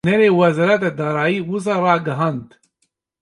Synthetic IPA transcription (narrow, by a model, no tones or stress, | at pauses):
nɛɾeːwɛzɑɾat̪ɛd̪ɑːɾɑːjiːwus̬ɑːrɑːɡɐɦɑːnd̪